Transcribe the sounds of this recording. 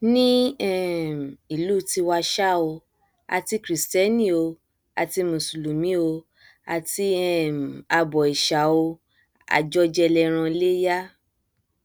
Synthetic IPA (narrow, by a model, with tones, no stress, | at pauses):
nĩ˦ɛ˦˨m˨i˨lu˦˨ti˧wa˧ʃa˦o˧ | a̰˧ti˧kɾi˨stɛ˦nĩ˦o˧ | a̰˧ti˧mũ˨su˨lu˨mĩ˨˦o˧ | a˧ti˧ɛ˦˨m˨a˧bɔ˨i˨ʃa˨˦o˧ | a̰˧d͡ʒɔ˧˦d͡ʒɛ˧lɛ˧ɾ̃ã˧le˦ja˦